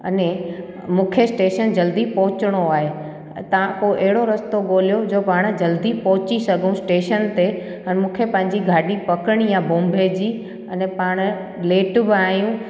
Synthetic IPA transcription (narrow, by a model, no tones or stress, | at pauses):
ɐ̰nẽ | mũːkʰesʈeːʃənd͡ʑɐld̪ipɔɦʊt͡ɕɪɽ̃oaːɦe | t̪ɐʋ̤ãkoʔɐɦɪɽoɾɐst̪oɠoːlijod͡ʑoːpaːɽ̃d͡ʑɐld̪ipɔɦʊt͡ɕisɐɡʱũsʈeːʃənt̪e | ɛnmũːkʰepɐ̃ɦɪ̃ɲd͡ʑiɡʱaːɗipɐkəɽ̃ijãbõːmbʱed͡ʑiː | ɐnɛpaːɽ̃ʊ | leːʈbɪaːjũ